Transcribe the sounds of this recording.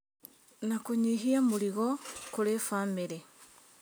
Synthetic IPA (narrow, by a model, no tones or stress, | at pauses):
nakuɲiɦiamuɾiɣɔkuɾefaːmeɾe